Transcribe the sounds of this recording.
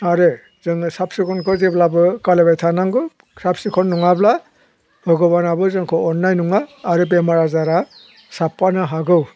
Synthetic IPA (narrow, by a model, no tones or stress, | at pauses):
aɾe | zɯŋɯsap̚sikʰɔnkʰɔzeblabɯkalebajtʰanaŋɡɯ | kʰɾap̚sikʰɔnːuŋabla | bɯɡɔβanabɯzɯŋkʰɔɔnːajnuŋaːɾɯb̬emaɾazaɾa | sapːanɯɦaɡɯw